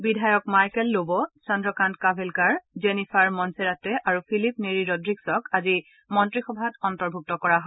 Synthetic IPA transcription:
bidʱajɔkmaɹkɛlːobɔsɔndɹɔkantkabʱelkaɹzenipʰaɹmɔnseɹatɛʔaɹupʰilipneɹiɹɔdɹiksɔkazi | mɔntɹixɔbʱatɔntɔɹbʱuk̚tɔkɔɹaɦɔ

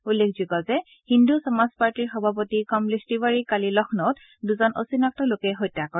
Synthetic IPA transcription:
ulːekʰzuɡɔzɛ | hindusɔmaspaɹtiɹxɔbʱap̬otikɔmlestibaɹikalilɔxʰnɔt | duzɔno̰sinɔk̚tɔlokɛɦojtːakɔɹ

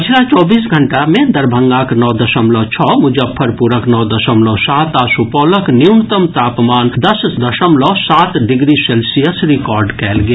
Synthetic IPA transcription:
d͡ʒʰɾat͡ʃɔːbiːs̬ɡʱəɳʈamẽd̪ɐɾbʱə̃ŋɡaːknɔːd̪ɐʃəmlɔːt͡ʃʰɔːmʊd͡ʒəpʰːəɾpuɾəknɔːd̪ɐʃəmlɔːsaːt̪asupɔːləkniʊnt̪əmt̪aːpmaːnd̪ɐsd̪ɐʃəmlɔːsaːt̪ɖɪɡɾiseːlsijəsɾɪkɔːɾɖkɛːlɡe

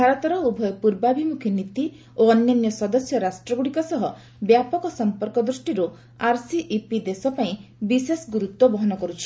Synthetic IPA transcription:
bʱaɾɔt̪ɔɾɔubʱɔjɔpuɾbabʱimukʰinit̪i | oɔnjɔnjɔsɔd̪ɔsjɔɾasʈɾɔɡuɽikɔsɔɦɔ | bjapɔkɔsɔmpɔɾkɔd̪ɾusʈiɾu | aɾsiʔːpid̪esɔpaĩbisesɡuɾut̪wɔbɔɦɔnɔkɔɾut͡ʃʰi̥

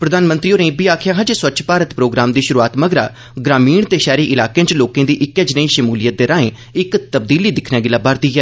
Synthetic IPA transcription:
pɾəd̪aːnmə̃nt̪ɾiːoːɾẽːbiːaːkʰjaːɦãːd͡ʒeːswətːʃʰpaːɾət̪pɾoːɡɾaːmd̪iːʃʊɾuːaːt̪məɡɾa̰ː | ɡɾaːmiːɳt̪eːʃɛːɾiːʔɪlaːkẽːt͡ʃloːkẽːd̪iːʔɪkːɛːd͡ʒnəiːʃəmuːlɪjət̪̚d̪eːɾãːẽː | ɪkt̪əb̚d̪iːliːd̪ɪkʰnɛːɡɪlaːbaɾd̪iːɦɛː

